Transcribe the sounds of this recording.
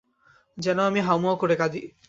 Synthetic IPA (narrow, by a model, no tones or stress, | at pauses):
d͡ʒɛnoamiɦawmɔkoɽekad̪i